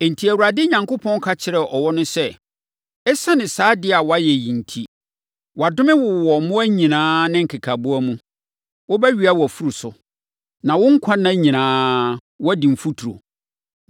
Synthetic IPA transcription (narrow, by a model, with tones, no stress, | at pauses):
e˨n̩˨tʰi˨æ˨wu˨ɾa˨dɪ˦ɲã˨ŋkʊ˦pʰɔ̃˦n˦kʰa˦t͡ɕʰɪ˨ɾɛ˨ʔɔ˨wɔ˦nʊ̃˦sɛ˦ | ɛ˦sa˦nɪ̃˨saː˦dɪ˦a˨wɔ˦a˦jɛ˨jĩ˨n̩˨tʰi˦ | wa˨dʊ˦mɪ̃˦wʊ˨wɔ˨˦mʊ̃˦æ˦ɲĩ˨nãː˦nɪ̃˦ŋ̩˨kʰɪ˨kʰa˨bʊ˦a˦mũ˦ | wʊ˦bɛ˦ɥi˨˦a˦wɔ˨æ˨fu˦ɾu˨sʊ˨ | nã˨wʊ̃˦ŋ̩˦kʷʰã˦nã˦ɲĩ˨nãː˦ | wɔ˦dĩ˨m̩˨fu˦tʰu˨ɾo̰˨